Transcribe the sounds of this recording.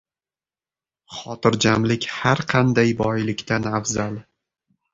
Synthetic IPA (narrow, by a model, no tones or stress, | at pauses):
χɒt̪ɪɾd͡ʒamlɪkʲhaɾqʰɑnd̪ajbɒjlɪkʲt̪anafzal